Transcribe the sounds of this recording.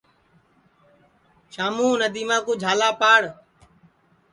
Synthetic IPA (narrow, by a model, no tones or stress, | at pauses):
ʃaːmũːnəd̪iːmãːkʊd͡ʒʱaːlaːpaːɽ